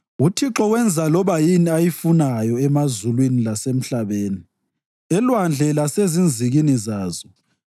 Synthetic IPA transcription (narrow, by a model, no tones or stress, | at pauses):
utʰiǁɔwɛnd͡zʱalɔβajiniajifunajɔɛmazulwinilasem̩ɬaβeːni | ɛlwand͡ɮʱɛlasezind͡zʱiɣinizaːzɔ